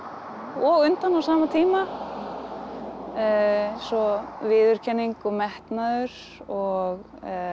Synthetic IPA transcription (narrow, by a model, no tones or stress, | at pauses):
ɔɣʏnt̪anawsaːmat̪ʰiːma | sɔvɪːðʏɾ̥cʰɛnːiŋkɔmɛht̪naðʏɾ̥ | ɔɣ